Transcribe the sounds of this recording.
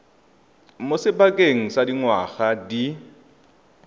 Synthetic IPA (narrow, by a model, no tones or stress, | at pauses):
mosɪbakʼeŋ̩sadiŋwaɣadi